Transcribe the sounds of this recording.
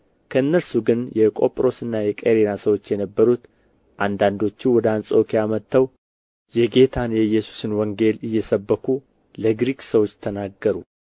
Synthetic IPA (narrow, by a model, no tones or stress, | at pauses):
kʰəɨnːəlsuɡɨnjɛkʼo̞pʼɾo̞sɨnːajɛkʼeɾenasəwo̞t͡ʃːjɛnəbːəɾut̪ | ʔand̪and̪o̞t͡ʃːiwɔd̪əansʼo̞kʰijamət̪ːəw | jɛɡe̞t̪ʰanjɛjːɛsu̥sɨnwɔŋɡe̞lɨjːɛsəbːəkʰu | ləɡɾikʼsəwo̞t͡ʃːt̪ʰənaɡːəɾu